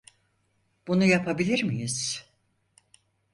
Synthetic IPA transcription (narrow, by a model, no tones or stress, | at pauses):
b̥unujapʰabilʲiɾmijiz̥